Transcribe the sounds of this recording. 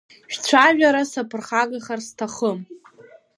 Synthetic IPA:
ʃᶣt͡ɕʷʰaʒᶣaɾasapʰɨrχaɡaχarstʰaχəm

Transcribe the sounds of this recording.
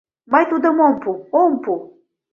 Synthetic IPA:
majt̪ud̪əmompuompu

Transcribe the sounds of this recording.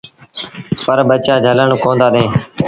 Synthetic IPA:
pəɾbət͡ʃaːd͡ʒʱələɳkõːnd̪aːɗẽː

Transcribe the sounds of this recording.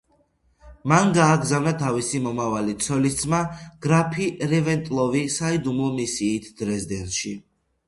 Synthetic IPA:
manɡaːɡzavnat̪ʰavisimɔmavalit̪sʰɔlist̪sʼmaɡ̥ɾapʰiɾɛvɛnt̪ʼlˠɔvisaid̪umɔmisiːt̪ʰd̪̥ɾɛzd̪ɛnt̪ʃi

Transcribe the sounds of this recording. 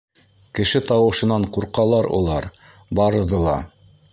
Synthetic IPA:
kɘ̆ʃɘt̪ɑwɤ̆ʃɤ̆nɑɴquɾqɑlˠɑɾṵlˠɑɾ | bɑɾɤ̆ðɤlˠɑ̰

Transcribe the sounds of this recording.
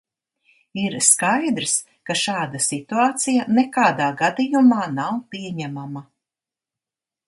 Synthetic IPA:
iɾskajd̪ɾs | kaʃaːd̪asit̪uaːt̪sijanekaːd̪aːɡad̪ijumaːnawpiɛɲæmama

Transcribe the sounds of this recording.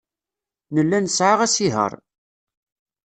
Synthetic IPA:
nəlːænəsʕaʁæsiɦə̰ɾˤ

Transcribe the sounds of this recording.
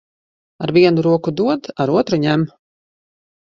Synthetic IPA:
aɾvʲiɛnuɾuɔkud̪uɔd̪aɾuɔt̪ɾuɲæm

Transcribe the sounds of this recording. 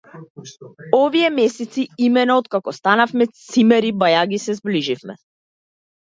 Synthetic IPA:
ɔviɛmɛsɛt̪siimɛnaɔt̪kakɔst̪anafmɛsimɛɾibajaɡisɛzbliʒifmɛ̰

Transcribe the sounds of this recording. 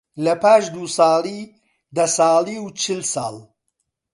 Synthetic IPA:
lɐpʰaːʃd̪usɑːliː | d̪ɐsɑːliːwt͡ʃʰɨlsɑ̰ːlˠ

